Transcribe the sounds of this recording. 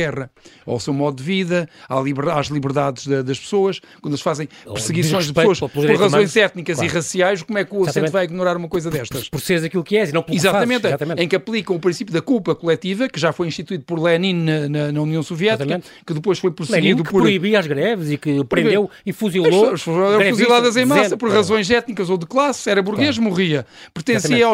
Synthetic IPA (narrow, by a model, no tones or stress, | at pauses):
ɛʁɐa̰wsewmɔðud̪viðɐalˠiβɾaʒlˠiβɨɾðaðʒðɐðɐʃpɨ̥soɐʃkwɐ̃nelˠʃfazẽj̃pɾsɨɣisõj̃ʒðpssoɐʃɾɾɾʁɐzõj̃zɛt̪nikɐziʁɐsiajʃkomwɛkuɐssẽtt̪vajiɣnuɾaɾumɐkojzɐðɛʃt̪ɐʃpɔɾseɾzɐkilˠukɛzinɐ̃plˠizat̪ɐmẽnt̪at̪ɐmẽtẽj̃kɐplˠikɐ̃w̃upɾĩsipjuðɐkulˠpɐkulˠɛt̪ivɐkɨʒafojĩʃt̪it̪wiðupɔɾlˠɛnĩnnɐnɐnɐuniɐ̃w̃suvjɛt̪ikɐ | kɨðɨpojʃfojpɾsɨɣiðukpɔɾɾuiβiaʒɣɾɛvɨzikɨɐpɾẽnewifuzilˠoʃfɛ̃fuzilˠaðɐzẽj̃masɐpɔɾʁɐzõj̃zɛt̪nikɐzoðɨklˠasɛɾɐβuɾɣeʃmuʁiɐpɨɾt̪ẽsiɐaw